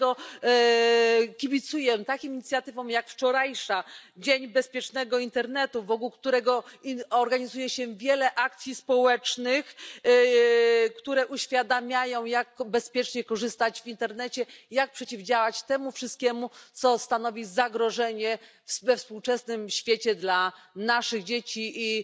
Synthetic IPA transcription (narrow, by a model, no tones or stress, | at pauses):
ɔ | kʲibʲit̪sujɛt̪akʲimiɲit̪sʲjat̪ɘvɔ̃w̃jakft͡ʂɔɾajʂad͡ʑeɲbɛspʲjɛt͡ʂnɛɡɔint̪ɛɾn̪ɛt̪uvɔkuwkt̪uɾɛɡɔɔɾɡaɲizujɛɕɛvʲjɛlɛʔakt̪sʲjispɔwɛt͡ʂnɘx | kt̪uɾɛʔuɕfʲjad̪amʲjajɔ̃w̃jakbɛspʲjɛt͡ʂɲɛkɔʐɘst̪ad͡ʑvʲint̪ɛɾnɛt͡ɕɛjak̚pʂɛt͡ɕivd͡ʑawat͡ɕt̪ɛmufʂɨst̪̚kʲɛmut̪sɔst̪anɔvʲizaɡɾɔʐɛɲɛ | fvɛfspuwt͡ʂɛsnɘmɕfʲjet͡ɕɛd̪lanaʂɘɣd͡ʑet͡ɕii